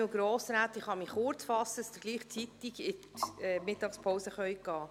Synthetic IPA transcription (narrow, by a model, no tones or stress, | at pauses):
uɡɾoːsɾæːt̪ɪχhɑmiχʊɾt͡sfɑsːəst̪əɡ̥liːχt͡sit̪iɡɪtɛmɪtːɑkspʰowsəχœjik̚ɡ̥ɑː